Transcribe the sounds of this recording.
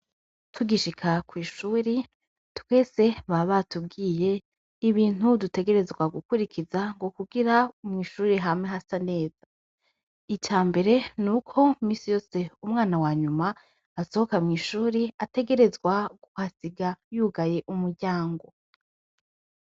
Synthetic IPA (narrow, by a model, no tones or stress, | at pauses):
tʰuɡiʃikʰakwiːʃuːɾi | twe̞ːse̞βaβatub̚ɡiːje̞ | iβiːn̥udute̞ɡe̞ɾe̞zɡwaɡukuɾikizaŋɡo̞kuɡiɾaumŋiːʃuːɾiɦamŋeɦasane̞ːz̥a | icaːmbe̞ɾe̞nukʰo̞mĩːsijo̞ːse̞umŋaːnawaːɲuma | aso̞ho̞kamŋiːʃuːɾiate̞ɡe̞ɾe̞zɡwaɡuhasiɡajuːɡaje̞ʔumuɾɟaːŋɡo̞